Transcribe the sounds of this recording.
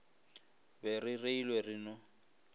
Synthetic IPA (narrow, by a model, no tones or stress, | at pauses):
bɛrireilwɛrinɔ